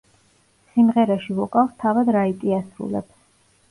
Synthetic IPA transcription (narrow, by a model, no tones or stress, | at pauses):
simʁɛɾaʃivɔkʼafst̪ʰavad̪ɾait̪ʼiasɾṵlɛ̰b